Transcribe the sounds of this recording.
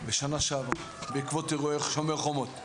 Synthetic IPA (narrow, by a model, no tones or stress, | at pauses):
beʃanaʃava | beikvot̪iʁoeχʃomeʁχomot̪